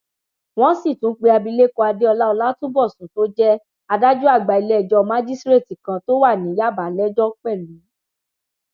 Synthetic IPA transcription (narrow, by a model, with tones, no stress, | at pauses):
w̃ɔ̃˦si˦˨tũ˨˦k͡pe˧a˧bi˧le˦kɔ˧a˧de˦ɔ˧la˦ɔ˧la˦tũ˦bɔ˦˨sũ˨˦to˦d͡ʒɛ˦ | a˧da˦d͡ʒu˦a˦˨ɡ͡ba˨i˧lɛ˨d͡ʒɔ˧mã˦d͡ʒi˦stɾe˦˨ti˨kã˧to˦wa˦˨nĩ˨˦ja˦˨ba˨lɛ˦d͡ʒɔ˦k͡pɛ˦˨lũ˨˦